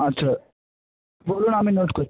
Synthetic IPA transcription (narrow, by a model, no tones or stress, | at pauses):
ɐtːʃʰa | boːluːñamĩnoːʈkoɾ